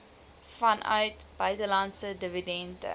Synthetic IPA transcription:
fɐnʔœ̰ɥtbœɥtəlɐntsədəvidɛndə̰

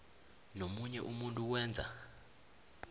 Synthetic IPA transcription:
nomuɲɛʔumuntʼuk̬wɛːnd͡zʱa̰

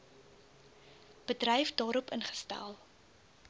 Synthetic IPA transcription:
b̥ədrɛjfdɑːɾɔpənχə̥stæ̰lˠ

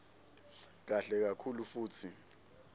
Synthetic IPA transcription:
k̬aɬɛk̬akʰulufuːtʰi

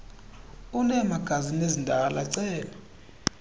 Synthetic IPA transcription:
unɛmaɡ̥ʱazinezindʱalaǀɛːla

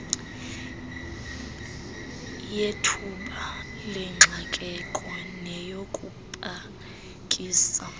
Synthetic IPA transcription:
jetʰuɓalɛŋ͡ǁʱakʼɛkʼɔnɛjokʼupʼa | kʼiːsa

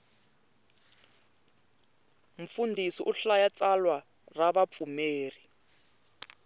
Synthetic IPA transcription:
m̩fundʱisiʔuɬajat͡salwa | raβap̪fumeːri

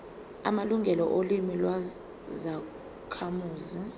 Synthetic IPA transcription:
a̰maluŋɡʱɛlɔʔolimilwa | za | kʰamuːzi

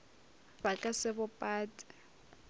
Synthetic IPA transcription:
bakʼasɪbʊpʼaːtʼɪ̥

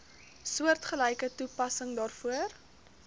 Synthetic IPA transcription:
suərtχəlɛjkətupɐsəŋdɑːrfuər

